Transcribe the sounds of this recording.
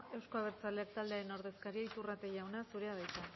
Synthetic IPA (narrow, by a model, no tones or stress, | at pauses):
e̞wsko̞aβe̞ɾt͡sald̪e̞akt̪ald̪eaɾe̞noɾðe̞skaɾieit̪urat̪eʝawnasuɾe̞aðajt̪a